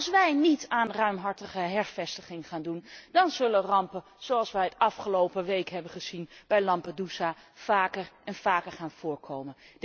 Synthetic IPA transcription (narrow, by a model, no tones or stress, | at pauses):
lˠsʋɛjnitaːnrœɥmɦɑɹtəχəɦɛɹvɛstəχɪŋχaːndundɑnzɵlənrɑmpə | z̥owɑlˠsʋɛjətɑfχəlowpəʋejkɦɛbənχəzinb̥ɛjlɑmpadusaːv̥aːkərʔɛnv̥aːkəɹχaːnv̥ʊːɹkʰowmən